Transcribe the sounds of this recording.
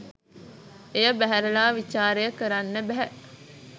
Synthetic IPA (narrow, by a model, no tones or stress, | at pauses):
ejɐbæɦæɾɐlaːʋit͡ʃaːɾejɐkɐɾɐnːebæɦɛʔ